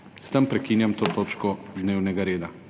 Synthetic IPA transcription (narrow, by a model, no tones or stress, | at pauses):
st̪əmpɾɛkiːnjamt̪oːt̪oːt͡ʃkɔd̪neːwnɛɡaɾeːd̪a